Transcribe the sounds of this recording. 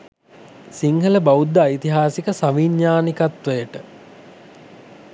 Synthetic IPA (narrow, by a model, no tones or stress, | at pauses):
siŋhələbaud̪ːəːjit̪iɦaːsikəsaʋiɲːaːnikat̪ʋəjəʈə